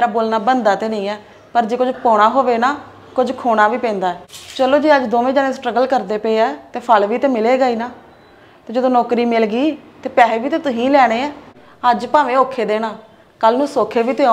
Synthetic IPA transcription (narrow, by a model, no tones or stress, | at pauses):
eːɾaːboːlnaːbənd̪aːt̪eːnəĩːɛː | pəɾd͡ʒeːkʊd͡ʒpoːɽ̃aːɦoːʋeːnaː | kʊd͡ʒkʰoːɽ̃aːʋiːpɛ̃ːnd̪aːɛːt͡ʃəloːd͡ʒeːəd͡ʒd̪oːʋẽːd͡ʒaːnẽːsʈɾəɡəlkəɾd̪eːpeːaɛt̪eːpʰəlʋiːt̪eːmɪleːɡəiːnaː | t̪eːd͡ʒeːt̪õːnoːkɾiːmɪlɡiːt̪eːpɛːɦeʋiːt̪eːt̪ʊɦĩːlɛːɽ̃eːɛː | əd͡ʒpaːʋẽːoːkʰːeːd̪eːɽaː | kəlnũːsoːkʰeːʋiːt̪eːo